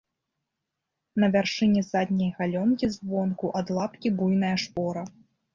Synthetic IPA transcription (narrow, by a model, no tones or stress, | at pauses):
nɐvʲarʂɨnʲɛzad̪ʲnʲɐjɣalʲɔnkʲizvɔnkuʔɐd̪lˠapkʲibujnɐjɐʂpɔɾɐ